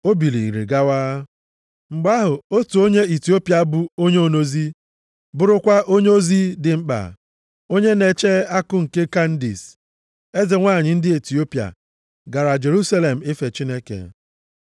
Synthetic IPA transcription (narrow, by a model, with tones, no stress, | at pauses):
o˦bi˨li˨i˨ɾḭ˨ɡa˦waː˦ | ŋ͡m̩˨ɡ͡ba˦ɦʊ˨o˦tu˨o˦ɲe˦i˨ti˨˦o˦pi˨a˨˦bʊ˨o˦ɲe˦o˨no˦zi˦ | bʊ˦ɾʊ˦kʷa˦ʔo˦ɲe˦o˦zi˦dɪ˨ŋ͡m̩˦k͡pa̰˨ | o˦ɲe˦ne˨t͡ʃe˦a˦kʊ˦ŋ̩˨ke˦ka˦n̩˦dḭ˨s | e˦zɪ˨ŋʷa˦˨ɲɪ˨n̩˦dɪ˦e˨ti˨o˦pi˨a̰˨ | ɡa˨ɾa˨d͡ʒe˨ɾu˦sa˦le˨m̩˨ɪ˦fe˨t͡ʃi˦ne˦kḛ˨